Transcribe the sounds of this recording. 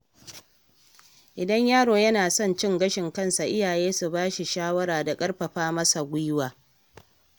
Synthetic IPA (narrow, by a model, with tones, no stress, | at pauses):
ʔɪ˨dɐ˦ɲjaː˦ɽoː˨jɐ˦naː˨sɔ˦˨nt͡ʃɪ˦˨ŋɡɐ˦ʃɪ˨ŋkɐ˦nsa˨ʔɪ˦jaː˨jeː˦su˨baː˦ʃi˨ʃaː˦wɐ˦ɽaː˨da˨kʼɐ˦ɽɸɐ˨ɸaː˦mɐ˦sa˨ɡʷʊ˦waː˨